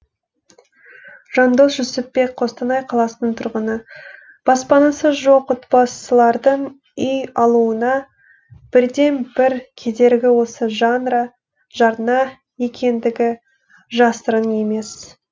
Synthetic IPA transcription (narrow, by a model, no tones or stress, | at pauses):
ʒ̥ɑnd̪o̞sʒʏsɪp̚be̞k̚qʰo̞st̪ɑnɑjqʰɑlˠɑsənəɴt̪ʰʊɾʁənə | b̥ɑspɑnɑsəzʒo̞qot̪bɑsəlˠɑɾd̪əɴ | ʏjɑlˠuənɑ | b̥ɪɾd̪e̞nbɪɾkʲʰe̞d̪e̞ɾɡʲɪwo̞səʒɑnɾɑ | ʒɑɾnɑ | je̞kʲʰe̞nd̪ɪɡʲɪ | ʒɑst̪əɾəne̞me̞s